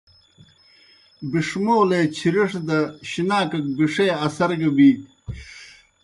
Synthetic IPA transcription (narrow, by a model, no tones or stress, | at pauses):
biʂmoːleːt͡ɕʰiɾiʂd̪ɐɕinaːkɐk̚biʂeːɐsɐɾɡɐbiːk̚